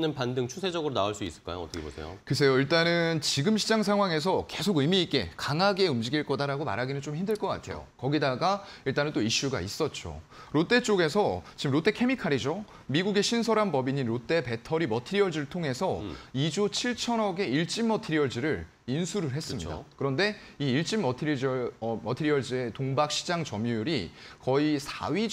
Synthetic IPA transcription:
nɯnpandɯŋt͡ɕʰusʰe̞d͡ʑʌɡɯɾonaoɭs͈uis͈ɯɭk͈a̰jo̰ʌt͈ʰʌkʰebosʰḛjo̰kɯs̬ʰe̞joiɭt͈anɯnt͡ɕiɡɯmɕʰid͡ʑaŋs̬ʰaŋɦwaŋe̞s̬ʰʌke̞sʰoɡɯmiːk͈e̞̰kaŋaɡe̞umd͡ʑiɡiɭk͈ʌdaɾaɡoma̰ɾɦaɡinɯnt͡ɕ͈omçimdɯɭk͈ʌk͈a̰tʰe̞̰jo̰kʌɡidaɡa | iɭt͈anɯnt͈oiɕ͈uɡa̰is͈ʌt̚t͡ɕ͈o̰ɾot͈e̞t͡ɕ͈oɡe̞sʰʌt͡ɕimɾot͈e̞kʰe̞mikʰaɾid͡ʑo | miɡuɡe̞ɕʰinsʰʌɾanbʌbiɲinɾot͈e̞pe̞tʰʌɾimʌtʰiɾiʌɭd͡ʑiɾɯɭtʰoŋɦe̞sʰʌid͡ʑot͡ɕʰiɭt͡ɕʰʌnʌɡe̞iɭt͡ɕ͈imːʌtʰiɾiʌɭd͡ʑiɾɯɾ | insʰuɾɯɭɦe̞s͈ɯmɲḭda̰kɯɾʌnde̞iːɭt͡ɕ͈imːʌtʰiɾ | mʌtʰiɾiʌɭd͡ʑie̞toŋbak̚ɕ͈ʰid͡ʑaŋt͡ɕʌmjujuɾikʌisʰa̰ɥi

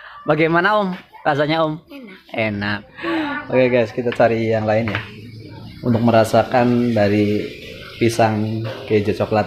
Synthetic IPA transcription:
baɡajmanaʊmras̬aɲaʊmenaʔbaɡajɡajskit̪at͡ʃaɾijaŋlaɪnja | unt̪ʊk̚məɾasakanbaɾi | pisaŋked͡ʒat͡ʃoklat̪̚

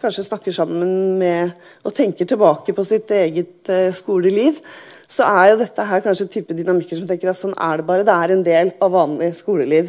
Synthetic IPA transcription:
kʰɑnʂəsnɑkːəʂɑmːənmɛ | ɔt̪ʰɛŋkəʈɪlbɑːkəpʰɔsɪt̪eːɡət̪skuːləliːʋ | sɔʔæɾjʊd̪ɛt̪ʰːəɦæːɾkʰɑnʂət̪ʰyːpəd̪ʏnɑmɪkːəʂɔmt̪ɛŋkəɾɑt̪sɔnːæ̰ɖɛbɑːɾəd̪ɛæɾɛnd̪eːlɑʋːɑːnlɪskuːləliːʋ

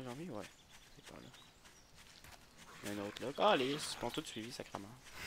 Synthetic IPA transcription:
ʒɑ̃viwɛ̰ | sepa̰lʔɔ̰ | ʔɛ̃not̪lɔalespɔ̃t̪ut̪sɥivisakʁamã

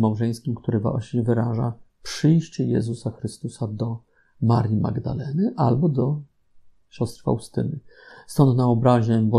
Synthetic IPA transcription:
mawʐɛj̃skʲimkt̪uɾɘva̰ɕɲɛvɘɾaʐa̰pʂɘjɕt͡ɕɛjɛ̰zusaxɾɘst̪usad̪ɔ | maɾʲjima̰ɡd̪a̰lɛnɘʔalbɔd̪ɔ | ɕɔst̪ɾfa̰ust̪ɘ̰nɘst̪ɔnt̪naɔbɾaʑɛbɔ

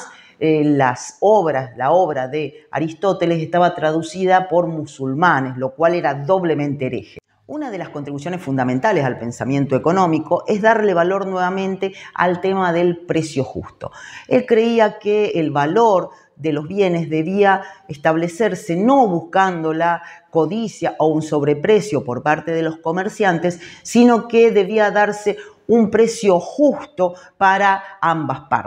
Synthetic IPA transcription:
elasoβɾaslaoβɾaðea̰ɾist̪o̞t̪eles̬eht̪aβat̪ɾaðusiðapo̞ɾmusulmaneslo̞kwaleɾaðo̞βle̞mẽnt̪eɾḛxe | unað̞e̞laskont̪ɾiβus̬jo̞nesfund̪amẽnt̪alesalpe̞nsamje̞nt̪oeko̞no̞miko̞ʔezðaɾle̞βalo̞ɾnwe̞βamẽ̞nt̪ea̰lt̪emaðe̞lpɾesjo̞xṵst̪o̞̰elkɾe̞iakeːlβalo̞ɾ | ðelozβje̞ne̞zðe̞βiaest̪aβ̞leseɾseno̞βuskand̪o̞lako̞ðisjaʔounso̞βɾepɾesjo̞po̞ɾpaɾt̪e̞ðelo̞sko̞meɾsjant̪esːino̞keðe̞βiaðaɾseumpɾe̞sjo̞xust̪o̞paɾaambaspa̰ɾt̪e̥

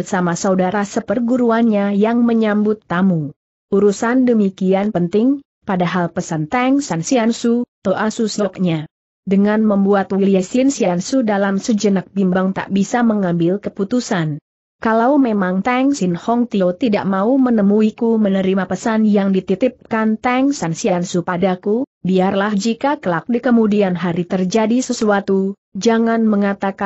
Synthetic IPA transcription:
samasaudaɾasəpərɡuɾuanɲajaŋməɲambʊt̪ːamu | ʔuɾusandəmikianpənt̪ɪŋ | padaɦalpəsant̪aŋsansiansut̪oʔasusik̚ɲa | dəŋanməmbuat̪wiliasinsiansudalamsəd͡ʒənak̚bimbaŋt̪a̰ʔbisaməŋambɪlkəput̪usan | kalawmemaŋt̪aŋsɪnhɔŋt̪iot̪idaʔmaumənəmuikumənəɾimapəsanjaŋdit̪it̪ɪp̚kant̪aŋsansiansupadakubiarlahd͡ʒikakəlak̚dikəmudianɦaɾit̪ərd͡ʒadisəsuat̪u | d͡ʒaŋanməŋat̪aka

